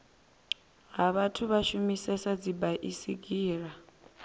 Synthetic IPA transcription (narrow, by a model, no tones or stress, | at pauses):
ɦaβatʰuβaʃumisɛsad͡zibaʔisiɡiːɺa